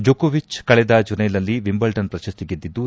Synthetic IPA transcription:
d͡ʒokoʋit͡ʃkɐɭɛd̪ɐd͡ʒunɐjlɐlːiʋimbɐlʈɐnpɾɐʃɐst̪iɡid̪ːid̪ːu

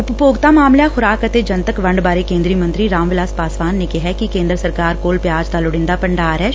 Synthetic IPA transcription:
ʊppoːɡt̪aːmaːmljaːxʊɾaːkət̪eːd͡ʒənt̪əkʋəɳɖbaːɾekẽːnd̪ɾiːmə̃nt̪ɾiɾãːmʋɪlaːspaːsʋaːnːekɪɦɛkikẽːnd̪ɾəsəɾkaːɾkoːlpjaːd͡ʒd̪aːlʊɽɪ̃nd̪aːpəɳɖaːɾɛ

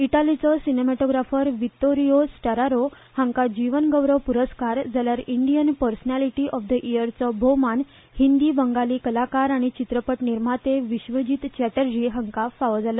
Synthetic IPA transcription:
iʈalit͡sɔsinemɛʈoɡɾafəɾʋit̪ːoɾijosʈəɾaɾo | həŋkad͡ʑiʋənɡəwɾəʋpuɾəskaɾd͡zaljaɾiɳɖijənpəɾsənaliʈiʔɔfd̪əʔijəɾt͡sɔbʱoman | hind̪iːbəŋɡaliːkəlakaɾaɽ̃it͡ɕit̪ɾəpəʈniɾm̤at̪eʋiɕʋəd͡ʑiːt̪t͡ɕæʈəɾd͡ʑiɦəŋkafaʋəd͡zalə

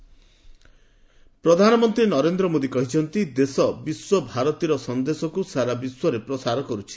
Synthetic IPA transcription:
pɾɔd̪ʱanɔmɔnt̪ɾinɔɾend̪ɾɔmod̪ikɔɦit͡ʃʰɔnt̪id̪esɔbiswɔbʱaɾɔt̪iɾɔsɔnd̪esɔkusaɾabiswɔɾepɾɔsaɾɔkɔɾut͡ʃʰi̥

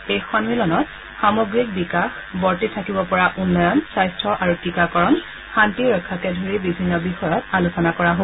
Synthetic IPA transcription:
ejxɔnmilɔnɔt̚ | xamoɡɹik̚bikax | bɔɹtitʰakibɔpɔɹaʔunːɔjɔnsajstʰɹɔʔaɹutikakɔɹɔn | xantiɹɔkʰːakɛdʱoɹibibʱinːɔbixɔjɔtalusɔnakɔɹaɦo

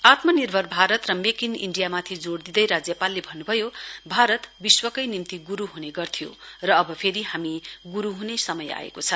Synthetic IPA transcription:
at̪mʌnirbʱʌrbʱaɾʌt̪rʌmekinḭɳɖijamat̪ʰid͡zoɽd̪id̪ʌjɾad͡zjʌpalːebʱʌnːubʱʌjobʱaɾʌt̪biswʌkʌjnimt̪iɡuɾuɦuneɡʌrt̪ʰijo̰rʌːbʌpʰeɾiɦamiɡuɾuɦunesʌmʌja̰ḛkot͡sʰʌ

